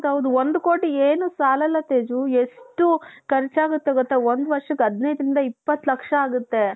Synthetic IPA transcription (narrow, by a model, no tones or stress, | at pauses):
t̪ɐʋd̪uond̪uko̞ːʈieːnusaːlɐlːɐt̪eːd͡ʒueʂʈukɐɾt͡ʃaːɡut̪ːeɡɔt̪ːɐond̪ʋɐɾʂɐkːɐd̪nejd̪ɾind̪ɐipːɐt̪ːlɐkʂɐaːɡut̪ːe̞